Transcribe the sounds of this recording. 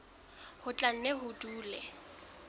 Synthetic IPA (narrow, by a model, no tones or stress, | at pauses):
hʊt͡ɬʼan̩nɛɦʊtʼuːlɛ